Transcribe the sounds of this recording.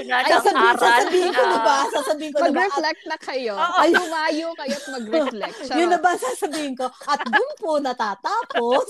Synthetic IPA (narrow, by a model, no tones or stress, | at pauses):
saːsɐbsaːsɐbiːhɪnkonɐbasaːsɐbiːhɪŋkomɐɡɾɛflɛk̚t̪̚nɐkɐjoʔɐjʊmaːjokɐjomɐɡɾɛflɛkjʊnːɐbɐsaːsɐbiːhɪŋko̞ʔɐt̪̚bʊmponɐt̪aːt̪aːpos